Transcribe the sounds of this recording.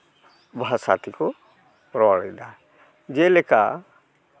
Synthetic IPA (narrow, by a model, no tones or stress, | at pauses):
bʱasa̰t̪ikɔ | pɾɔɭɛd̪a | d͡ʒɛlɛka̰